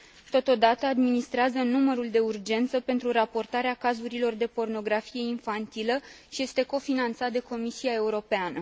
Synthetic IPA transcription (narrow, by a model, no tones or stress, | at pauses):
t̪o̞t̪o̞d̪at̪əad̪minist̪ɾeazənuməɾuld̪e̞urd͡ʒe̞nt̪səpe̞nt̪ɾuɾapo̞rt̪aɾeakazuɾilo̞rd̪e̞po̞rno̞ɡɾafije̞infant̪iləʃije̞st̪e̞ko̞finant̪sat̪d̪e̞ko̞misiae̞uɾo̞peanə